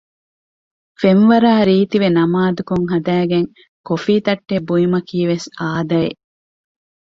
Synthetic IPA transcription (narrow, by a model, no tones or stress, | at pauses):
fenʋɐɾaːɾiːt̪iʋenɐmaːd̪ukuŋɦɐd̪æːɡeŋ | kofiːt̪ɐʈːebuimɐkiːʋesaːd̪ɐḛ